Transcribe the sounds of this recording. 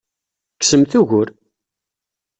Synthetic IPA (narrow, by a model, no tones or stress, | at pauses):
ksəmθuʝʊɾ